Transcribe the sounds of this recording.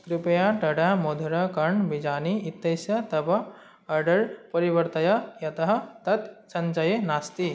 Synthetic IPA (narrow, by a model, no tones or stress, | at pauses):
kɾipɐjaʈɐɽamod̪ʱuɾɐkɐɳʋid͡ʒaːniit̪ːɐjsjɐt̪ɐbɐː | ɾɖɐɾpɐɾiʋɐɾt̪ɐjɐjɐt̪ɐɦɐ̆t̪ɐt̪sɐnt͡ʃɐjenast̪i